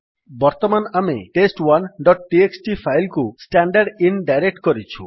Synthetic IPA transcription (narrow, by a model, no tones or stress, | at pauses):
bɔɾt̪ɔmanamḛʈesʈwanɖɔʈ̚ʈieksʈipʰajlkusʈaɳɖaɾɖinɖajɾek̚ʈkɔɾit͡ʃʰṵ